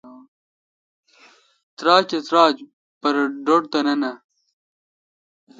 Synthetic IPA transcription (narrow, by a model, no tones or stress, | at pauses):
t̪ɾaːt͡ɕɐt̪ɾaːd͡ʑ | pɐɾɐɖoʈ̚t̪ɐnɐnɐ